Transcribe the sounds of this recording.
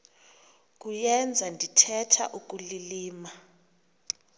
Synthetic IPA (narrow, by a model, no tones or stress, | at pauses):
kʼujɛnd͡zʱandʱitʰɛtʰa̰ʔuk̬ʼuliliːma